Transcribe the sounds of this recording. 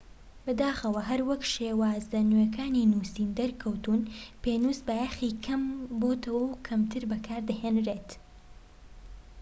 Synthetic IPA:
bɨd̪aːxɐwɐɦɐɾwɐkʃeːwaːzlɐnyɛkʰaːninuːsiːnd̪ɐɾkʰɐwt̪unpeːnuːsbɐjaxiːkʰɐmboːt̪ʰɐwɐwkʰɐmt̪ʰɨɾbɐkʰaːɾd̪ɐheːnreːt̪

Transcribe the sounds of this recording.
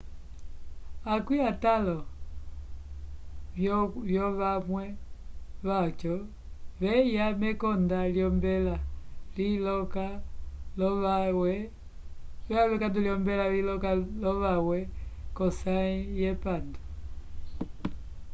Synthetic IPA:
akwiatalɔ | vjɔβamwɛ | βat͡ʃɔ | βɛjamɛkɔndaljɔmbɛlalilɔkalɔawɛ | βɛaβɛkanduliɔmbɛlalilɔkalɔʋawɛkɔsaijɛpandɔ

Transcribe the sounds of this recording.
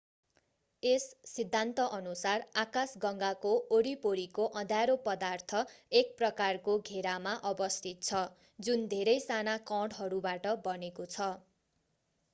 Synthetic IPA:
esːid̪ʱːant̪ʌʔʌnusarakasɡʌŋɡakooɾipoɾikoʔʌ̃d̪ʱaɾopʌd̪art̪ʰʌek̚prʌkarkoɡʱeɾamaʔʌbʌst̪ʰit̪̚t͡sʰʌ | d͡zund̪ʱeɾʌjsanakʌ̃ɽɦʌɾubaʈʌbʌnekot͡sʰʌ

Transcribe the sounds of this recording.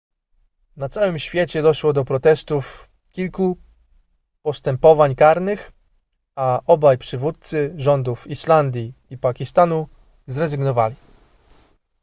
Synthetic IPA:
nat̪sawɘmɕfʲjɛt͡ɕɛd̪ɔʂwɔd̪ɔpɾɔt̪ɛst̪uf | kʲilku | pɔst̪ɛmpɔvaɲkaɾnɘx | aʔɔbajpʂɘvut̪̚t̪sɘʐɔnd̪ufiʂland̪ʲjiːpakʲist̪anu | zɾɛzɘɡnɔvalʲi

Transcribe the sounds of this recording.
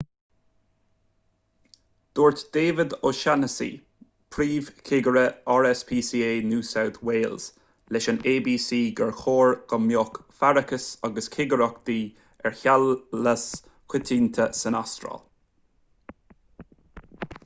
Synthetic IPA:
d̪̥oːɹt̪d̪̥eːvɪd̪oʃanəsḭː | pʰɹiːv̥kʰɪɡəɹəɔɹɛspʰiːsiːeːnuːsawt̪weːlz̥ | lɛʃəneːbiːsiːɡɛɹxoːɹɡ̥əmjoːkfaɹəkəsaɡəskʰɪɡəɾɔkd̪̥iː | ɛɹçaləs | kwɪt̪ʰiːnt̪ʰəsənast̪ɾɔ̰l

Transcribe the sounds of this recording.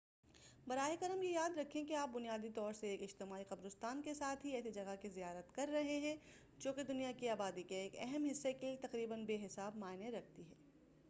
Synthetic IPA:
bɐɾaːekɐɾəmjejaːd̪ɾɐkʰːẽkeaːp̚bʊnijaːd̪it̪ɔːɾseeːkɪd͡ʒt̪ɪmaːiqɐbɾʊst̪aːnkesaːt̪ʰɦiɛːsid͡ʒɐɡakizijaːɾət̪kɐɾːɐɦeɦɛ̃ | d͡ʒoːked̪ʊnijakiaːbaːd̪ikeeːkɛɦɛmɦɪsːeket̪ɐqɾiːbənbeːɦɪsaːbmaːɪneɾɐk̚ʰt̪iɦɛː

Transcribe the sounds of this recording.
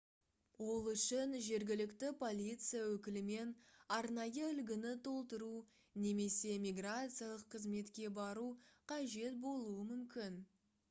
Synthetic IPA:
wo̞lˠʏʃɪnʒe̞ɾɡʲɪlɪkt̪ɪpʰo̞lʲijt̪sɨjawɵkʲɪlɪme̞nɑɾnɑjəʏlɡʲɪnɪt̪ʰo̞lˠt̪əɾu | ne̞me̞se̞mʲijɡrat̪sɨijalˠəqʰːəzme̞t̪kʲe̞bɑɾuqʰɑʒe̞t̪̚bo̞lˠuəmʏmkʲɪn

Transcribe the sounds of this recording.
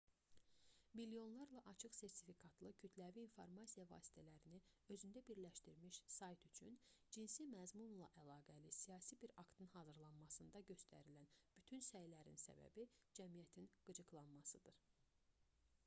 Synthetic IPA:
milijo̞nlˠɑɾlˠɑʔɑt͡ʃʰɯχse̞ɾt̪ʰi̥fikʰɑt̪ʰlˠɯcʰyt̪ʰlæviːnfo̞ɾmɑsijɑvɑ̰ːsi̥t̪ʰælæɾiniø̞zynd̪æbiɾlæʃt̪iɾmiʃsɑjt̪yt͡ʃʰy̰nd͡ʒinsimæzmunlˠɑ̰ʔælˠɑːɡælisijɑːsibiɾɑkt̪ɯnɦɑːzɯɾlˠɑnmɑsɯnd̪ɑɟø̞st̪ʰæ̰ɾilænb̥yt̪ʰynsæjlæɾḭnsæ̰bæ̰bid͡ʒæmijæt̪ʰinɡ̥ɯd͡ʒɯɡlˠɑnmɑsɯd̪ɯɾ̥

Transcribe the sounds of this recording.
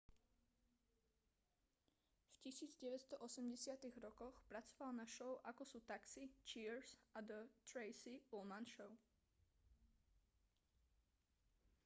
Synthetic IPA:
fcisiːd͡zɟɛʋɛtst̪ɔʔɔsɛmɟɛsɪat̪iɣɾɔkɔxpɾat͡sɔ̥ʋalnaʃɔʊʔakɔsuːt̪aksit͡ʃiɾsad̪ət̪ɾɛɪsiulmanʃɔʊ

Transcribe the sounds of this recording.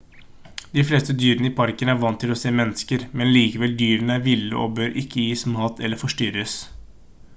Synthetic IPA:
d̪ɪfleːst̪əd̪yːɾənəiːpʰɑɾkənəæɾʋɑnːt̪ʰɪlɔseːmɛnːəskəɾmɛnliːkəʋɛld̪yːɾənəæɾʋɪlːə̰ʔo̰ːbøːɾʔɪkʰːəjiːsmɑːt̪ʰɛlːəɾfɔʂʈʏɾəs

